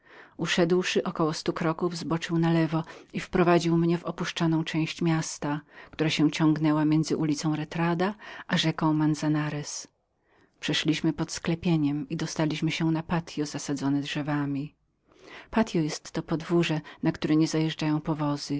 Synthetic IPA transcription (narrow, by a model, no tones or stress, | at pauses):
uʂɛd̪wʂɘʔɔkɔwɔst̪ukɾɔkuvzbɔt͡ʂɘwnalɛvɔifpɾɔvad͡ʑiwmɲɛvɔpuʂt͡ʂɔnɔ̃w̃t͡ʂɛ̃w̃ɕt͡ɕmʲjast̪akt̪uɾaɕɛ̃t͡ɕɔ̃ŋɡnɛwamʲjɛnd̪zɘʔulʲit̪sɔ̃w̃ɾɛt̪ɾad̪aʔaʐɛkɔ̃wmansanaɾɛs | pʂɛʂlʲiɕmɘpɔt̪sklɛpʲjeɲɛmid̪ɔst̪alʲiɕmɘɕɛnapat̪ʲjɔz̥asad̪zɔnɛdʐɛvamʲi | pat̪ʲjɔjɛst̪ːɔpɔd̪vuʐɛnakt̪uɾɛɲɛzajɛʐd͡ʐajɔ̃w̃pɔvɔz̥ɘ